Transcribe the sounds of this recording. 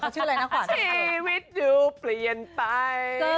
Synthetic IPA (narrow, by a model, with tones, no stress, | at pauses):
ka˧˩t͡ɕʰɯː˥˧˥la˧na˦˥wɔː˨˩i˧wi˦˥t̪̚juː˧pli˨˩ənpa˧j